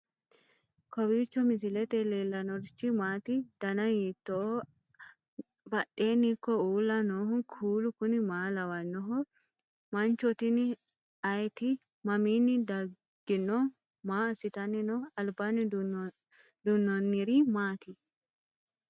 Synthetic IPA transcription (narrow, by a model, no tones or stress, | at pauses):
kʰɔwiːt͡ʃːɔmɪs̬ɪlɛt̪ɛleːlːɐnɔɾt͡ʃːɪmaːt̪ɪd̪̥ɐnɐjit̪ːɔɔ | bɐɗe̞ːnːɪkːɔuːlːɐnoːhʊkʰuːlʊkʊnɪmaːlɐwɐnːɔɦɔ | mɐnt͡ʃɔt̪ɪnɪ | ɐjɛt̪ɪ | mɐmiːnːɪd̪ɐ | ɡ̥ɪnːɔ | maːsɪt̪ɐnːɪnɔɐlbanɪ | d̪ʊnːɔnːɪɾimaːt̪ɪ